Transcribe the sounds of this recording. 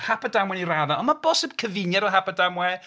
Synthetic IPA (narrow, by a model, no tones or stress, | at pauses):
hapʰadamwɛniraðaɔnmabɔsɪb̥̚kʰəvɪnjaɾɔɦapadamwɛ